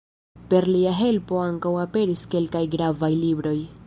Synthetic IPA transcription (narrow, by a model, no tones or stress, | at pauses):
pe̞ɾliaɦe̞lpo̞aŋkawape̞ɾiske̞lkajɡɾavajlibɾo̞j